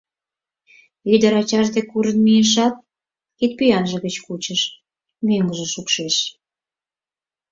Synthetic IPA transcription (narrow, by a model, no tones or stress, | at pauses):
yd̪əɾɑt͡ɕɑʒd̪ekuɾənmieʃ̬ɑt̪̚ | kit̪̚pyjɑnʒə̆ɣət͡ɕkut͡ɕəʃ | møŋɡəʒĕʃukʃeʃ